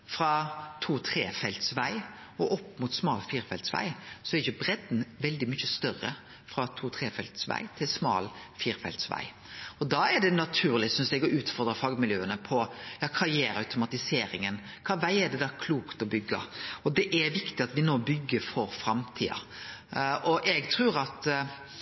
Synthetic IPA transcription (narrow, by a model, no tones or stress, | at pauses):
fɾɑt̪ʰuːt̪ʰɾeːfɛlt̪sʋæɪ | ɔʔɔpːmʊt̪smɑːlfiːɾfɛlt̪sʋæ̰ɪsɔɛɾɪçʊbɾɛd̪n̩ʋɛld̪ɪmʏçəst̪œrːə̰ | fɾɑt̪ʰuːt̪ʰɾeːfɛlt̪sʋæ̰ɪt̪ʰɪlsmɑ̰ːlfiːɾfɛ̰lt̪sʋæ̰ɪ | ɔd̪ɑɛɖɛnɑt̪ʰʉːɾlɪsʏnsd̪ɛɡɔʔʉːt̪fɔɾd̪ɾəfɑːɡmɪljøːənəpʰɔjɑːkʰɑːjeːɾɑʉt̪ʊmɑt̪ɪseːɾɪŋən | kʰɑːʋæɪɛɖɛd̪ɑːkʰluːkt̪ɔbʏɡːə̰ɔd̪ɛʔæɾʋɪkt̪ɪɑt̪ʋɪnoːbʏɡːəɾfɔɾfɾɑmt̪ʰḭːɑ̰ | ʔɔʔɛɡt̪ʰɾʉːɾɑt̪